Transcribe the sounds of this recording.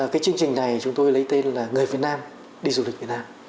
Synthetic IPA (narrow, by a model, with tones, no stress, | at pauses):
kaː˨˦jt͡ɕɨ˧əŋt͡ɕï˨˩ŋ̟na˨˩jt͡ɕʊ˨˦ŋ͡mt̪o˧jlə˨˦jt̪e˧nlaː˨˩ŋɨ˨˩əjvi˨˩ət̚naː˧m | ɗi˧zu˧li˨˩k̟̚vi˨˩tnaː˧m